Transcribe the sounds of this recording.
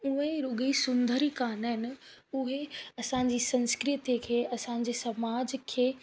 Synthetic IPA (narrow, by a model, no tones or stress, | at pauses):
ʊɦẽɾʊɡisʊ̃nd̪ʱəɾikaːnɦɪnɪ̆ʊɦeɐsãːd͡ʑiːsɐ̃nskɾɪt̪ikʰeːɐsãɲ̆d͡ʑesɐmaːd͡ʑkʰeː